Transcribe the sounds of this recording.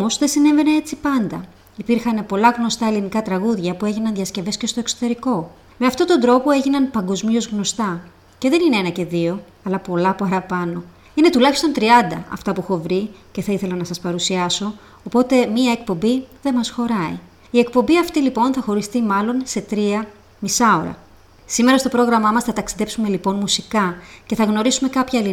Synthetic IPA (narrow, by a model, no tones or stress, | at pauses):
omo̞zðe̞sine̞ve̞ne̞et͡sipɐnd̪ɐ | ipiɾxɐnpo̞lɐɣno̞st̪ɐelinikɐt̪ɾɐɣuðʝɐpue̞ʝinɐnðiɐsce̞ve̞sce̞st̪o̞e̞ksot̪e̞ɾiko̞ | me̞ɐft̪o̞t̪ond̪ɾo̞po̞e̞ʝinɐnpɐŋɡo̞zmio̞zɣno̞st̪ɐ | ce̞ðe̞nineenɐce̞ðio̞ | ɐlɐpo̞lɐpɐɾɐpɐno̞ | ine̞t̪ulɐçi̥st̪o̞nt̪ɾiɐnd̪ɐ̰ɐ̰ft̪ɐpuxo̞vɾice̞θɐiθe̞lɐnɐsɐspɐɾusiɐso̞ː | po̞t̪e̞miɐe̞k̚po̞mbiðe̞mɐsxo̞ɾɐḭ | ie̞k̚po̞mbiɐft̪ilipo̞nθɐxo̞ɾist̪imɐlo̞nse̞t̪ɾiɐ | misɐo̞ɾɐ̰ | sime̞ɾɐst̪o̞pɾo̞ɣɾɐmɐmɐsθɐt̪ɐksiðe̞psume̞lipo̞nmusikɐce̞θɐɣno̞ɾisume̞kɐpçɐeli